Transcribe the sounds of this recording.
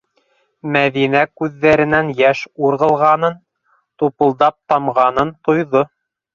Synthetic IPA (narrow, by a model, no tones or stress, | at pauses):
mæðinækʉðːæɾɘ̆nænjæʃuɾʁɤ̆lˠʁɑnɤn | t̪upɤ̆lˠd̪ɑp̚t̪ɑmʁɑnɤnt̪ŏjðo